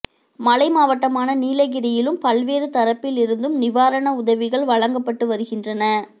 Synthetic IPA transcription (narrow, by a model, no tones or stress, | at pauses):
mɐlɐɪmaːʋɐʈːɐmaːnɐniːlɐɣɪɾɐjɪlɯmpɐlʋeːɾɯt̪ɐɾɐpːɪlɪɾɯnd̪ɯmnɪʋaːɾɐɳɐʊðɐʋɪɣɐɭʋɐɻɐŋɡɐpːɐʈːɯʋɐɾɯɣɪndrɐnɐ